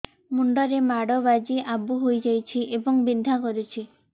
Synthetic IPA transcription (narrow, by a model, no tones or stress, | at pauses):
muɳɖɔɾemaɽɔbad͡ʒiʔabuɦojd͡ʒajt͡ʃʰiʔebɔŋbind̪ʱakɔɾit͡ʃʰi